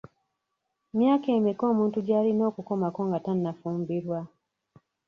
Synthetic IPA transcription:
mjaːkeːmiko̞ːmũːntuɟaːlino̞ːkukomakoŋɡatanːafuːmbiɾwa

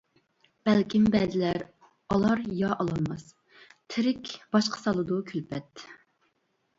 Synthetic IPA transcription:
b̥ɛlkʲimbɛzɪlæɾ | ɑlˠɑɾjɑʔɑlˠɑnmɑs | t̪ʰɪɾɪkʲb̥ɑʃqʰə̥sɑlˠɨd̪ukʲʰylpʰɛt̪

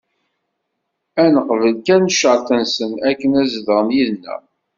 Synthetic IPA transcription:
ænəqəvəlkænʃəɾθənsənækːənæzðəʁnjiðnːæ̰

